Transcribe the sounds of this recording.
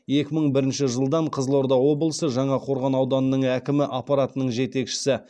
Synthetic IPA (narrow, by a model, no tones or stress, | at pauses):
je̞kʲɪməɴbɪɾɪnʃɪʒəlˠd̪ɑɴqʰəzəlˠo̞ɾd̪ɑwo̞blˠəsəʒɑɴɑqʰo̞ɾʁɑnɑwd̪ɑnːəɴækʲɪmɪʔɑpːɑɾat̪ənəɴʒe̞t̪e̞kʃɪ̥sɪ